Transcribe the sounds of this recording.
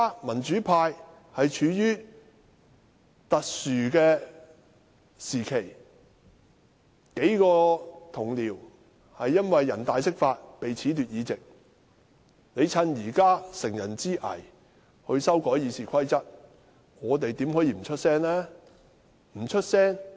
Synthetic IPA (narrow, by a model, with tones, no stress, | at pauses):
a˥mɐ˨˩nt͡ʃy˨˥pʰaː˧j | hɐ˨jt͡ʃʰyː˨˧jyː˥ | t̪ɐ˨t̚syː˨kɛː˧ | siː˨˩kʰe˨˩j | ke˨˥jkɔː˧t̪ʰʊ˨˩ŋliː˨˩w | hɐ˨jːɐ˥nwɐ˨jːɐ˨˩nt̪aː˨jsɪ˥k̚faː˧t̚pe˨jt͡sʰiː˨˥t̪yː˨t̚jiː˨˧t͡sɪ˨k̚ | ne˨˧jt͡sʰɐ˧˥njiː˨˩kaː˥sɪ˨˩ŋjɐ˨˩nt͡siː˥ʔɐ̰˨˩j | hɵ˧ɥsɐ˥wkɔː˨˥jiː˨˧siː˨kʰɐ˥jt͡sɐ˥t̚ | ŋɔː˨˧t̪e˨jt̪iː˨˥mhɔ˨˥jiː˧m̩˨˩t͡ʃʰɵ˥t̚sɛː˥ŋlɛː˥ | m̩˨˩t͡ʃʰɵ˥t̚sɛː˥ŋ